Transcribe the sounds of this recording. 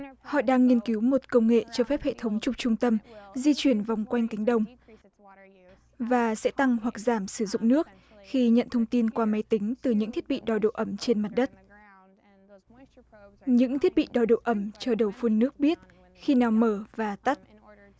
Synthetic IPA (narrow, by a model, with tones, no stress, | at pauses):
hɔ̰˧˨ɗaː˧ŋːi˧ənki˨˦wmo˨˩t̚kə˧wŋ͡mŋḛ˧˨t͡ɕɔ˧fɛ˦˥p̚hḛ˧˨t̪ʰə˨˦wŋ͡mt͡ɕʊ˨˧˩ŋ͡m̚t͡ɕʊ˧ŋ͡mt̪ə˧mzi˧t͡ɕwi˧˩ənva˨˩wŋ͡mkwa˧jŋ̟k̪a˨˦ŋ̟ɗə˨˧˩wŋ͡m | vaː˨˩sɛ̰˧˥t̪a˧ŋɦwa˨˩k̚zaː˧˩msɨ˧˩zʊ̰˧˨ŋ͡mnɨ˦˥ək̚ | xi˧ɲə̰˧˨nt̪ʰə˧wŋ͡mt̪i˧nkwaː˧ma˨˦jt̪ï˨˦ŋ̟t̪ɨ˨˩ɲɨ̰˧˥ŋt̪ʰi˦˥t̚ɓḭ˧˨ɗɔ˨˩ɗo̰˧˨ʔə˧˩mt͡ɕe˧nma˨˩t̚ɗə˦˥t̚ | ɲɨ̰˧˥ŋt̪ʰi˦˥t̚ɓḭ˧˨ɗɔ˨˩ɗo̰˧˨ʔə˧˩mt͡ɕɔ˧ɗə˨˩wfu˧ənːɨ˦˥ək̚ɓi˦˥ət̚ | xi˧naː˨˩wməː˧˩vaː˨˩t̪a˦˥t̚